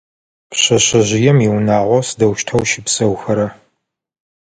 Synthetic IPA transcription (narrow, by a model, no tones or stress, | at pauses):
pɕɐɕɐʑɪjɛmiwnaːʁʷɔsdɐwʃtʰɐwʃɪpsɐwxɐɾɐ